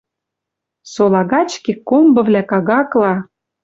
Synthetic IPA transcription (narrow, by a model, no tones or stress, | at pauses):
solˠɑɣɑt͡ɕkekːombɤ̆vlʲækɑɣɑklˠɑ